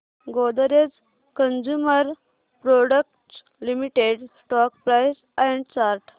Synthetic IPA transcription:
ɡod̪əɾed͡z | kənd͡ʑuməɾ | pɾɔɽək̚ʈ | limiʈeɖsʈɔk̚pɾajs | ɛ̃ɳɖt͡ɕaɾʈ

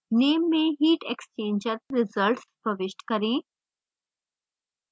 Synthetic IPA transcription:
neːmːẽːɦiːʈekst͡ʃẽːnd͡ʒəɾɾɪzəlʈspəʋɪʃʈkɐɾĩː

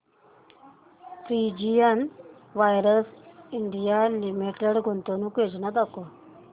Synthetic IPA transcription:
fɾid͡ʑijanʋajɾəsiɳɖijalimiʈeɽɡʱont̪onũːkʋed͡ʑnat̪ako

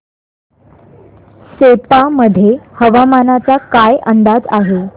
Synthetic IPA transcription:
sepaməd̪ʱːjehəʋamanat͡sakajənd̪ad͡zaɦe

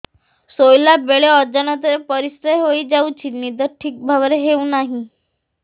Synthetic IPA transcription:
sojlabeɭeɔɾd͡ʒənat̪əɾepəɾisɾeɦoid͡ʑaut͡ɕʰimid̪əɾʈʰiːk̚bʱaʋɾeɦeunaɦĩ

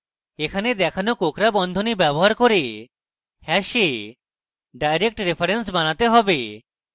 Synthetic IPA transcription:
ekʰaned̪ɛkʰanokokɾabɔnd̪ʱonibɛboɦaɾkoɾe | hɛʃe | ɖajɾek̚ʈɾepʰaɾens̬banat̪eɦɔbe

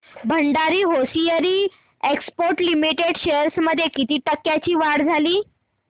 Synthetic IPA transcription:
bʱəɳɖaɾiːɦosijəɾiː | ekspoɾʈlimiʈeɽɕeɾsməd̪ʱːjekit̪iːʈəkːjat͡ɕiːʋaɽd͡zʱaliː

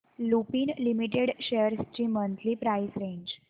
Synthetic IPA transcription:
lupiːnlimiʈeɽɕejəɾst͡ɕiːmənt̪ʰliːpɾaisɾẽɲd͡ʑ

